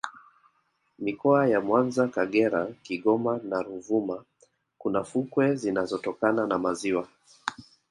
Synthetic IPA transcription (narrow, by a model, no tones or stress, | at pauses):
mikɔajamwanzakaɠɛɾakiɠɔmanaɾuvuma | kunafukwɛzinazɔtɔkananamaziwa